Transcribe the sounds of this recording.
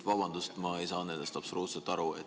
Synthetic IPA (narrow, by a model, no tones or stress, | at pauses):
t̪vɑbɑnd̪ust̪mɑejsɑːned̪ɛst̪ɑpsɾuːt̪sɑt̪ɑɾuḛt̪